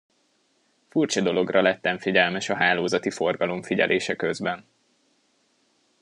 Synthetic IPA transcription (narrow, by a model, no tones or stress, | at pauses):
furt͡ʃɒd̪o̞lo̞ɡrɒlɛt̪ːɛɱfiɟɛlmɛʃɒɦaːloːzɒt̪ifo̞rɡɒlo̞ɱfiɟɛ̰lʔeːʃɛkø̞zbɛn